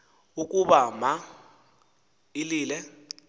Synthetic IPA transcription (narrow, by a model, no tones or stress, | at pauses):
ukʼuɓama | iliːlɛ